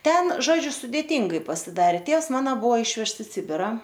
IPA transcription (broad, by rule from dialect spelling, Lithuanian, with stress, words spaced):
ˈtʲɛn ˈʒoːd͡ʒʲʊ sʊdʲeːˈiːŋɡɐɪ pɐsʲɪˈdɑːrʲeː ˈtʲeːws ˈmɑːnɐ ˈbʊʋoː ˈɪʃʲʋʲɛʃts ɪ ˈsʲɪbʲɪrɐ